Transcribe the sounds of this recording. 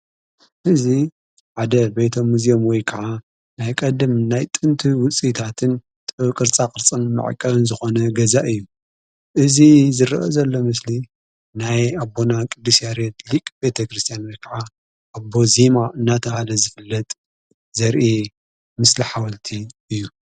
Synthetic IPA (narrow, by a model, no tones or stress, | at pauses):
hɨzi | ʕad̪ɐbejt̪ʰɐmːuzijomwɔjkʰɐʕa | najkʼɐd̪ɨmnajt̪ʼɨnt̪ʰiwʊt͡sʼit̪ʰat̪ʰɨn | t̪ʼkʼɨɾt͡sʼakʼɨɾt͡sʼɐnmɨ̰ʕ̰kʼːɐβɨnzɨxo̞nɐɡɐzaʔɨjːu | ʔɨzizɨɾɐʔo̰zɐlːo̞mɨsli | najabːo̞nakʼɨd̪ːɨsjaɾet̪likʼbe̞t̪ʰɐkɾɨst̪ʰijanwɔjkʰɐʕa | ʔabo̞zimaʔɨnːat̪ʰɐhalɐzɨfɨlːɐt̪ʼ | zɐɾʔi | mɨsliħawɐlt̪ʰiɨjːu